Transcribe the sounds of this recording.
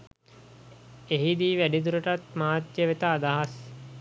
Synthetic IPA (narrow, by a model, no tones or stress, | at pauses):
eɦid̪iːʋæɖid̪uɾəʈat̪maːt̪jəʋet̪aːd̪aɦas